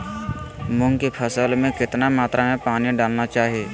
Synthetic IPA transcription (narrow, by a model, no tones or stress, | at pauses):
mʊŋkepʰəsəlmẽkɪt̪namaːt̪ɾamẽpaːniɖaːlnat͡ʃaːɦieː